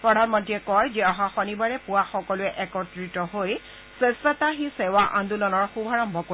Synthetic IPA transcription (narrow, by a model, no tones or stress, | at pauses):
pɹɔdʱanmɔntɹiɛkɔɹd͡ʒɛɔɦaxɔnibaɹɛpʊaxɔkɔlʊɛʔɛkɔtɹitɔɦoj | sesataɦisɛwaʔãndulɔnɔɹxubʱaɹɔmbʱɔko